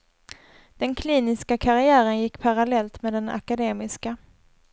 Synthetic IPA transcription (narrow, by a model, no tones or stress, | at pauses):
d̪̥ɛnkʰliːnɪskakʰaɾɪæːɾənjɪkːpʰaɾalɛlt̪meɛːd̪ɛna̰kad̪eːmɪska